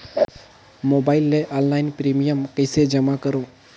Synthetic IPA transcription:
moːbaːɪlːeʔɔːnlaːɪnpɾimijəmkəɪsed͡ʒəmakəɾo

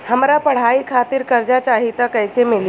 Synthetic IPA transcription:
hɐmɾapɐɽ̤aːikʰaːt̪ɪɾkɐɾd͡ʒat͡ʃaːɦit̪akɛːsemɪl

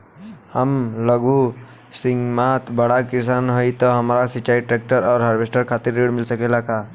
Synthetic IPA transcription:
həmləɡʱu | siŋɡmat̪bəɽakisanɦojt̪ɔɦəmɾasit͡ʃaiʈɾek̚ʈəɾɔːɾɦaɾbesʈəɾkʰat̪iɾːeɽmilsəkelakʰa

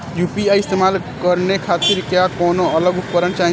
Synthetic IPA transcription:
jupiaiɪst̪emaːlkəɾnekʰaːt̪ɪɾkjakɔːnoələɡʊp̪pəɾənt͡ʃaːɦĩ

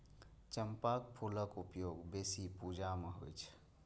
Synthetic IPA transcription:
t͡ʃəmpak̚pʰuləkupjoɡbesipud͡ʒameɦo̰jt͡ʃʰ

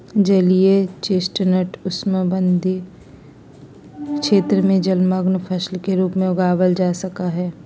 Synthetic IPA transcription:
d͡ʒɐliet͡ʃesʈnəʈʊsməbə̃nd̪ʱi | kʃeːt̪ɾəmẽd͡ʒɐlməɡnpʰəʃlkeɾuːpmẽʊɡaːʋəld͡ʒaːsɐkaɦɛː

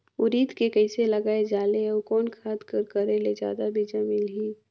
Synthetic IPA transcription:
ʊɾiːd̪kekəɪselɐɡaːed͡ʒaːleɔkɔːnkʰaːt̪kəɾkəɾeled͡ʒja̰ːd̪abʱid͡ʒamiːlɦiː

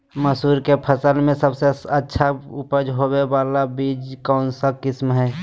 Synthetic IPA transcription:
məsuːɾkepʰəsəlmẽsəbseətːʃʰaʊpəd͡ʒɦobebaːlabid͡ʒkɔːnsakɪsmɦɛː

